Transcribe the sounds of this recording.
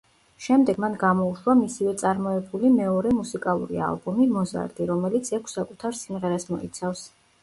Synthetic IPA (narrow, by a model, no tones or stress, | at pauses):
ʃɛmd̪ɛɡmanɡamɔuʃwamisivɛt̪sʼaɾmɔɛbulimɛɔɾɛmusikʼalˠṵɾḭa̰lˠbɔmimɔza̰ɾd̪iɾɔmɛlit̪sʰɛkʷʰsakʼut̪ʰaɾsimʁɛɾasmɔ̰ḭt̪sʰafs